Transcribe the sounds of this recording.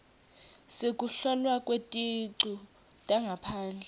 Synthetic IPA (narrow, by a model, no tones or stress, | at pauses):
sekʼuɬɔlwakʼwetʼiǀu | tʼaŋɡʱapʰaːnd͡ɮʱɛ